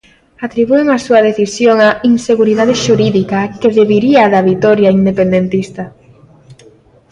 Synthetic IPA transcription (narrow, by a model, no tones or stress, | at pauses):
at̪ɾiβueŋasuɐð̞eθisjoŋainseɣuɾiðaðeʃuɾiðikakeðeβiɾiaðaβit̪ɔɾjaind̪epend̪ent̪ist̪ɐ